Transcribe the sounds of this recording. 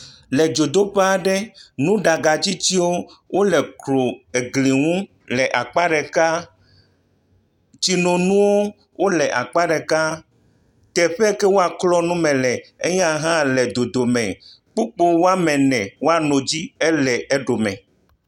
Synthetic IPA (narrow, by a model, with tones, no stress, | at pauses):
lɛ˨d͡ʒo˨d̪o˦ɸe˦a˨ɖɛ˦nũ˦ɖa˨ɡa˨t͡ɕi˦t͡ɕi˦wo˦wʔo˦lɛ˨klo˨e˨ɡli˨ŋũ˦ | lɛ˨ʔa˨k͡pa˦ɖɛ˨ka˦ | t͡ɕi˨nõ˨nũ˦wo˦ | wʔo˦lɛ˨ʔa˨k͡pa˦ɖɛ˨ka˦ | t̪ɛ˨ɸɛ˦ke˦wo˦a˨klɔ˦nũ˦mɛ̃˨lɛ˨e˦je˦a˨ɦã˦lɛ˨d̪o˨d̪o˨mɛ̰̃˨ | k͡pu˦k͡po˦wo˦a˦mɛ̃˨nɛ̃˨wo˦a˦˨nɔ̃˨d͡ʑi˦ɛ˦lɛ˨ʔɛ˦ɖo˨mɛ̰̃˨